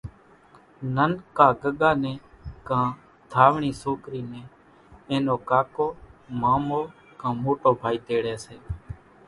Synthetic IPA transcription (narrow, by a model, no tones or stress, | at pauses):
nənkaːɡəɠaːneːkãː | d̪ʱaːʋɳiːsoːkɾiːnẽː | ẽːnoːkaːkoːmaːmoː | kãːmoːʈoːbʱaːiːt̪eːɽɛːseː